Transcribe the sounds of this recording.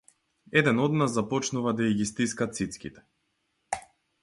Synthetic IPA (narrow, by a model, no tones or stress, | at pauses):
ɛd̪ɛnɔd̪nasːapɔt͡ʃnuvad̪aiɡʲist̪iskat̪sit̪skʲit̪ɛ̥